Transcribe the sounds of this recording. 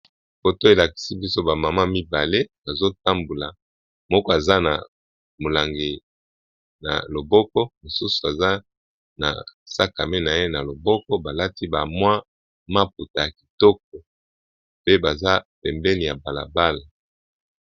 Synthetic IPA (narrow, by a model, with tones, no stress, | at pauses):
fo˨to˦e˨la˨ki̥˨si˦bi˦so˦ba˨ma˨ma˦mi˦ba˨le˦b̥a˨zo˦ta˦mbu˨la˨ | mɔ˦kɔ˦a˨za˦na̰˨ | mo˨la˨ŋɡe˨ | na̰˨lo˨bɔ˦kɔ˦mo˨su˦su˨e˨za˦ | na̰˨sa˦ka˨me˦na˨je˦na˨lo˨bɔ˦kɔ˦ba˨la˦ti˦ba˨mwa˦ | ma˦p̚u˨ta˨ja˨ki̥˨tɔ˦k̚ɔ˨ | pe˦ba˨za˦pɛ˨mbɛ˦ni˨ja˨ba˨la̰˨ba˦la˨